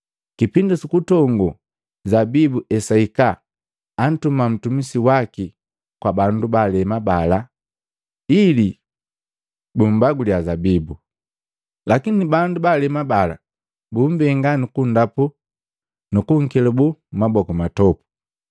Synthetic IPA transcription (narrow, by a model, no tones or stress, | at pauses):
kipindisukutɔŋɡu | zabibuʔɛsaikaː | n̩tumam̩tumisiwaki | kwabandubalɛmabala | ili | bumbaɡuliazabibu | lakinibandubalɛmabala̰ | bumbɛŋɡanikundapu | nukuŋkɛlubumabɔkumatɔpu̥